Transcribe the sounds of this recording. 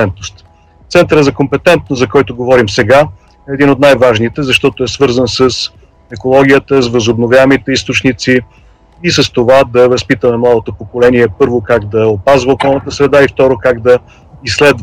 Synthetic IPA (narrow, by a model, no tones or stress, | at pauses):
ɛnt̪nost̪ | t̪sɛnt̪əɾəzɐkompɛt̪ɛnt̪̚nost̪zɐkɔjt̪oɡovɔɾimsɛɡa | ɛːd̪inot̪najvaʒnit̪ɛzɐʃt̪ɔt̪oɛsvɤɾzənsəs | ɛkolˠɔɡ̟ʲijət̪əsvəzobnovʲjaɛmit̪ɛist̪ot͡ʃnit̪si | isəst̪ovad̪ɐvɐspit̪əmɛmlˠad̪ot̪opokolɛniɛpɤɾvokaɡd̪ɐopazvəokɔlˠnət̪əsɾɛd̪aift̪ɔɾokaɡd̪ɐ | isːlɛd̪v